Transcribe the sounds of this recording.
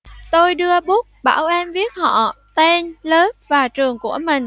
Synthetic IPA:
t̪o˧jɗɨ˧əɓu˦˥k̚ɓa̰ː˧˩wʔɛ˧mvi˦˥ət̚hɔ̰˧˨t̪ɛ˧nləː˨˦p̚vaː˨˩t͡ɕɨ˨˩əŋku˧˩əmï˨˩ŋ̟

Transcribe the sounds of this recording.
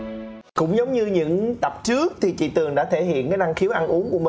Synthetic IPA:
kʊ̰˧˥wŋ͡mzə˨˦wŋ͡mɲɨ˧ɲɨ̰˧˥ŋt̪ə˨˩p̚t͡ɕɨ˦˥ək̚t̪ʰi˨˩t͡ɕḭ˧˨t̪ɨ˨˩əŋɗa̰ː˧˥t̪ʰe˧˩hḭ˧˨ənkaː˨˦jna˧ŋxi˨˦əwʔa˧nʔu˨˦əŋku˧˩əmi˨˩

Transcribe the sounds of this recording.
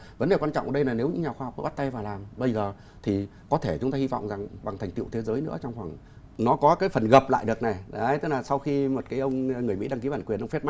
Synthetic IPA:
və˨˦nde˨˩wa˧nt͡ɕɔ̰˧˨wʔə˧˩ɗə˧jna˨˩ne˨˦wɲɨ̰˧˥ŋɲa˨˩xwaː˧hk͡p̚m̰ːəː˧˦˥t̚t̪a˧jvaː˨˩laː˨˩mɓə˧jzəː˨˩ | t̪ʰi˨˩ | kɔ˨˦t̪ʰe˧˩t͡ɕʊ˨˦ŋ͡mt̪aː˧hi˧vɔ̰˧˨wŋ͡mza˨˩ŋɓa˨˩ŋt̪ʰŋ̟t̪ḭ˧˨wt̪ʰe˨˦zəː˨˦jnɨ̰˧˥ət͡ɕɔ˧wŋ͡mxwaː˧˩ŋ | nɔ˨˦kɔ˨˦kaː˨˦jfə˨˩nɣə˨˩p̚la̰ː˧˨jɗɨ˨˩ək̚na˨˩jɗə˨˦jt̪ɨ˦˥k̚laː˨˩sa˧wxi˧mo˨˩t̚kaː˨˦jʔə˧wŋ͡mŋɨ˨˩əjmḭ˧˥ɗaː˧ŋki˨˦ɓaː˧˩nkwi˨˩ənʔə˧wft̚ma˦˥

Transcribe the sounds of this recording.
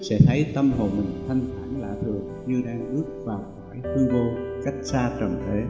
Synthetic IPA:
sɛ̰˧˥t̪ʰə˨˦jt̪ə˧mɦo̰˨˩mï˨˩ŋt̪ʰa˧jŋ̟t̪ʰaː˧˩ŋla̰ː˧˨t̪ʰɨ˨˩əŋɲɨ˧ɗaː˧ŋʔɨ˦˥ək̚vaː˨˩wkaː˧˩jxu˧vo˧ka˦˥jk̟̚saː˧t͡ɕə˨˩nt̪ʰe˨˦

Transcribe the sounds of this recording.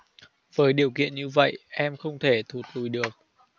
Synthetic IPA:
v̥əː˨˦jɗi˨˩əwkḭ˧˨ənɲɨ˧və̰˧˨jʔɛ˧mxə˧wŋ͡mt̪ʰe˧˩t̪ʰu˨˩t̚lu˨˩jɗɨ˨˩ək̚

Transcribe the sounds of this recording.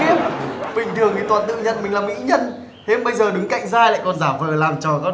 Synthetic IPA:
i˧əmɓï˨˩ŋ̟t̪ʰɨ˨˩əŋt̪i˨˩t̪waː˨nt̪ɨ̰˧˨ɲə̰˧˨nmï˨˩ŋ̟laː˨˩mḭ˧˥ɲə˧n | he˨˦mɓə˧jzəː˨˩ɗɨ˨˦ŋka̰˧˨jŋ̟zaː˧jla̰ː˧˨jkɔ˨˩nzaː˧˩vəː˨˩laː˨˩mt͡ɕɔ˨˩ɔ˨˦

